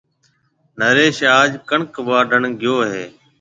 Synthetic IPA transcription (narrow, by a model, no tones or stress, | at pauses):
nəɾeːʃaːd͡ʒkəɳkʋaːɖʱəɳɡɪjoːɦeː